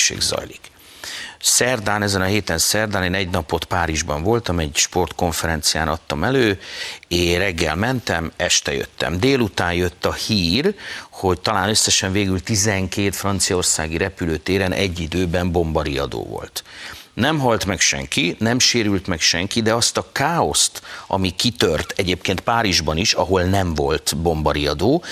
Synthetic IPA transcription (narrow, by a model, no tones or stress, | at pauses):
ʃḛːɡzɒ̰jlik | sɛrd̪aːnɛzɛnɒɦeːt̪ɛnsɛrd̪aːneːnɛɟnɒpo̞t̪paːɾiʒbɒɱvo̞lt̪ɒmɛɟʃpo̞rt̪ko̞ɱfɛɾɛnt̪sija̰ːnɒt̪ːɒmɛløːeːrɛɡːɛlmɛnt̪ɛmɛʃt̪ɛjø̰t̪ːɛ̰md̪eːlut̪aːnjø̞t̪ːɒhiːrho̞ct̪ɒlaːnøsːɛʃɛɱveːɡylt̪izɛŋkeːt̪frɒnt̪sijɒo̞rsa̰ːɡiɾɛpyløːt̪eːɾɛnʔɛ̰ɟːid̪øːbɛmbo̞mbɒɾiɒ̰d̪o̰ːvo̰lt̪nɛmɦɒlt̪mɛkʃɛ̰ŋkinɛmʃeːɾylt̪mɛkʃɛŋkid̪ɛɒst̪ɒkaːo̞st̪ʔɒ̰mikit̪ørt̪ɛɟeːpkeːnt̪̚paːɾiʒbɒniʃɒɦo̞lnɛɱvo̞lt̪bo̞mbɒɾiɒd̪oː